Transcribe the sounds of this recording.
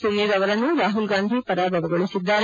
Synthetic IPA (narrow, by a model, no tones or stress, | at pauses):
sunːed̪ɐʋɐɾɐnːuɾaːɦulɡaːnd̪ʱipɐɾaːbʱɐʋɐɡoɭisid̪ːaːɾ